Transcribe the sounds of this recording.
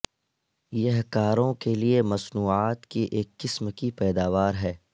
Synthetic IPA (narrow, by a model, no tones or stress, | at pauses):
jɐɦkaːɾõkeliemɐsnuːaːt̪kiʔeːkːɪsmkipɛːd̪aːʋaːɾɦɛː